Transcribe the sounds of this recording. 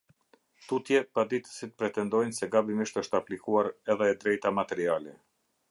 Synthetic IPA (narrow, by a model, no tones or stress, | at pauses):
t̪ut̪jɛpad̪it̪ə̥sit̪̚pɾɛt̪ɛnd̪ɔjnsɛɡabimiʃt̪əʃt̪əaplikuaɾɛðɛd̪ɾɛjt̪amat̪ɛɾialɛ